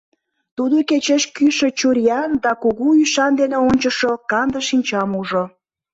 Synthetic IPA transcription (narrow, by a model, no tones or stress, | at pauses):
t̪ud̪oket͡ɕeʃkyʃet͡ɕuɾʲjɑnd̪ɑkuɣuyʃɑnd̪eneonʲt͡ɕəʃokɑnd̪əʃinʲt͡ɕɑmuʒo